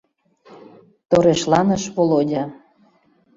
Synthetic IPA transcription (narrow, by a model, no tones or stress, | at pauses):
t̪oɾeʃlɑnəʃβolodʲɑ